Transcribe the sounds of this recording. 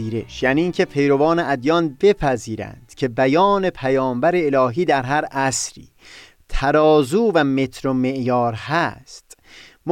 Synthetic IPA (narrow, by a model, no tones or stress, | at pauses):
iːɾe̞̰ʃjæːniːŋcʰepʰe̞jɾo̞vɒːneʔæd̪jɒːnbe̞pʰæziːɾæ̰nd̪̥cʰe̞bæjɒːne̞pʰæjɒːmbæɾeːlɒːɦiːd̪æɾɦæɾæsɾḭː | t̪ʰæɾɒːzuːvæme̞t̪ʰɾomeʔjɒːɾhæst̪m